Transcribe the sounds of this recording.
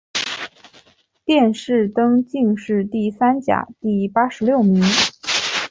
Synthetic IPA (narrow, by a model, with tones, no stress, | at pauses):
t̪jɛ˥˧nʂɻ̩˥˩t̪ɤ˥ŋt͡ɕi˥˧ŋʂɻ̩˥˧t̪i˥˩sa˥nt͡ɕja̰˨˩˦t̪i˥˩pa˥ʂɻ̩˧˥ljo˥˩ʊmi˧˥ŋ